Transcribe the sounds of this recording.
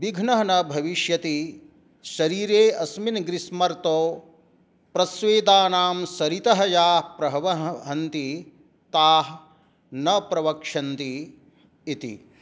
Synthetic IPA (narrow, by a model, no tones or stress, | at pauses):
ʋiɡʱnɐɦɐnɐbʱɐʋiʃjɐt̪i | ʃɐɾiːɾeːɐsminɡɾismɐɾt̪oː | pɾɐsʋeːd̪aːnaːmsɐɾit̪ɐɦɐjaːpɾɐɦɐʋɐɦɦɐnt̪i | t̪aːɦ | nɐpɾɐʋɐkʂɐnt̪iː | t̪ḭ